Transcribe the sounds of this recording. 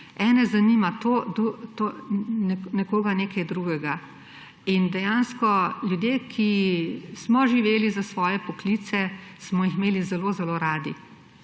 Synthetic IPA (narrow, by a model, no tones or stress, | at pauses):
ɛːnɛzaniːmat̪od̪ut̪onɛnɛkoːɡaneːkajd̪ɾuɡɛɡa | ind̪ɛjaːnskɔljud̪jekʰismɔʒiʋeːlizasʋɔːjɛpɔklit̪sɛsmɔixmeːlizɛloːzɛloːɾaːd̪ḭ